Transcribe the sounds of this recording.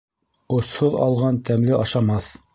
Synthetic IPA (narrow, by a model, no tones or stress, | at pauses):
ŏshoðɑ̰lˠʁɑnt̪æmlɘʔɑʃɑmɑθ